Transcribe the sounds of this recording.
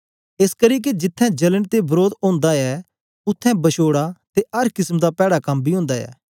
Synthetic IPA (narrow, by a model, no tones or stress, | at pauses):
eːskɐɾiːk̬ed͡ʒɪt̪ʰːɛ̃d͡ʒɐləɽt̪ebɐɾoːd̪õːnd̪aɛ | ʊt̪ʰːɛ̃bɐʃoːɽat̪eɐɾkɪsmd̪apɛːɽakɐmbʱiɦʊ̃ːnd̪aɛ̰ː